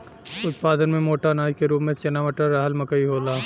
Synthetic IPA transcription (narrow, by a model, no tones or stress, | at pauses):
ʊt̪̚paːd̪ənmẽmoːʈanaːjkeɾuːpmẽt͡ʃɐnaːʋəʈəɾːaːɦəlmɐkəiɦoːlaː